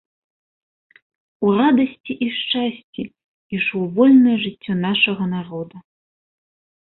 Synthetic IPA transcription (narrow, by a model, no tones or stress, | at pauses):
urad̪ɐsʲt͡sʲiʔiʂt͡ʂasʲt͡sʲi | iʂuwvɔlʲnɐjɐʐɨt͡sʲːɔnaʂɐɣɐnarɔd̪ɐ